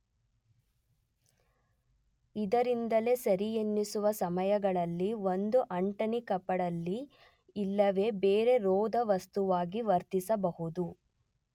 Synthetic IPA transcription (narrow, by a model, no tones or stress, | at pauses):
id̪ɐɾind̪ɐle̞sɐɾijenːisuʋɐsɐmɐjɐɡɐɭɐlːiʋond̪uʔɐɳʈɐnikɐpːɐɽɐlːiː | lːɐʋe̞ːbeːɾe̞ɾɔːd̪ɐʋɐst̪uʋaːɡiʋɐɾt̪isɐbɐɦud̪u